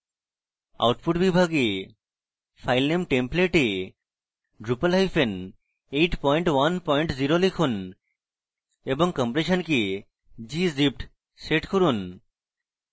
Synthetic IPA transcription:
a̰wʈpʰuʈbibʱaɡe | fajlnemʈempleʈe | ɖɾupəlɦajfen | ejʈpɔjɳʈwanpɔjɳʈziɾolekʰun | eboŋkɔmpɾeʃənke | d͡ʑizip̚ʈ | seʈkoɾun

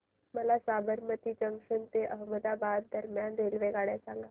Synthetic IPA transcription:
məlasabəɾmət̪iːt͡ɕəŋʂənt̪eʔəɦməd̪abad̪d̪əɾmjand̪elʋeɡaɭjasaŋɡa

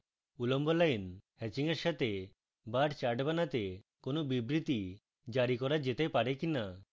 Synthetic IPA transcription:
ulɔmbɔlajnhɛt͡ʃiŋeɾʃat̪e | baʈt͡ʃaɖbanat̪ekonobibɾit̪i | d͡ʒaɾikɔɾad͡ʒet̪epaɾekina

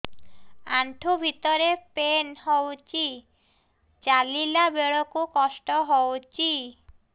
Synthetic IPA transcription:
aɳʈʰubʱit̪ɔɾepenhɔwt͡ɕi | t͡ʃalilabeɭɔkukɔsʈɔɦɔwt͡ɕi

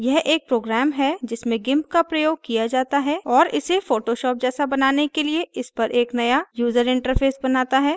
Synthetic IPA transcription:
jɛɦʔeːk̚pɾoːɡɾɛːmɦɛd͡ʒɪsmẽɡɪ̃mp̚kapɾɐjoːɡ̚kijad͡ʒaːt̪aɦɛːɔːɾɪ̰sefoːʈoʃɔːp̚d͡ʒɛːsabɐnaːnekelieʔɪspɐɾʔeːknɐjajuːzəɾɪ̃ɳʈəɾfʰeːsbɐnaːt̪aɦɛː

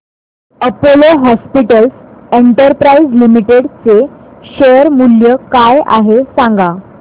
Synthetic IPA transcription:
əpoloɦɔspiʈəlseɳʈəɾpɾaid͡zlimiʈeɽt͡seɕəɾmuljəkaja̰ɦesãŋɡa

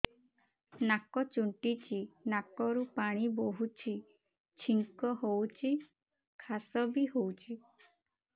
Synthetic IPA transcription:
nakɔt͡ʃuɳʈit͡ʃʰinakɔɾupaɽ̃iboɦut͡ʃʰi | t͡ʃʰiŋkɔɦowt͡ʃʰi | kʰasɔbiɦowt͡ʃʰi

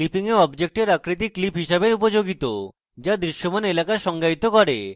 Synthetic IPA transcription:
lipiŋeɔbd͡ʑek̚ʈeɾakɾit̪̬ikːlipɦiʃabeupod͡ʑoɡit̪o | d͡ʑad̪ɾiʃːomanelakaʃɔŋɡait̪okɔɾḛ

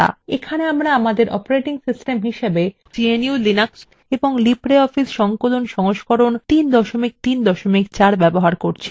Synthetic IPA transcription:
a̰ekʰaneamɾaamad̪eɾʔɔ̰poɾeʈiŋsisʈemɦiʃebe | d͡ʑieniulinaks | eboŋlipɾeɔfisʃɔŋkolonʃɔŋoʃkoɾont̪ind̪ɔʃomik̚t̪ind̪ɔʃomikt͡ɕaɾbɛboɦaɾkoɾt͡ɕʰi̥

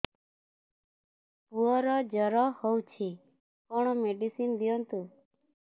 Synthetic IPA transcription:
puɔɾɔd͡ʒəɾɔhowt͡ʃʰi | kɔɳ̃ɔmeɖisind̪jɔnt̪u

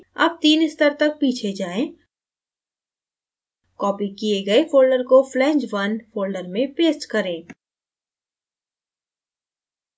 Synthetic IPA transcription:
ɐ̰b̚t̪iːnɪst̪əɾt̪ɐk̚piːt͡ʃʰed͡ʒaːẽː | kɔːpikieɡɐefoːlɖəɾkoflɛ̃ːɲd͡ʒʋɐnfʰoːlɖəɾmẽpeːsʈkɐɾẽː

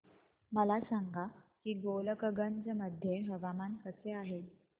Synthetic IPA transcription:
məlasaŋɡʱakiːɡoləkəɡənd͡zəməd̪ʱjeɦəʋamankət͡seaɦe

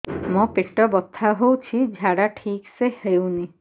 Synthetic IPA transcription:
mɔ̃peʈɔbɔt̪ʰːaɦowt͡ʃʰid͡ʒʱaɽaʈʰiksehewni

